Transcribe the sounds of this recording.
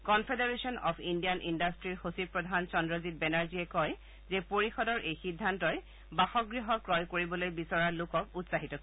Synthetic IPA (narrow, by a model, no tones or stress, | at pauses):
kɔnpʰedaɹesɔnɔ̰pʰindijanʔindastɹiɹxosipɹɔdʱant͡ʃɔndɹɔzit̚bɛnaɹziɛkɔj | zɛpoɹixɔdɔɹʔejxidʱːantɔɹ | baxɔɡɹiɦɔkɹɔjkoɹibɔlojbisɔɹaɹlokɔkutsaɦitɔk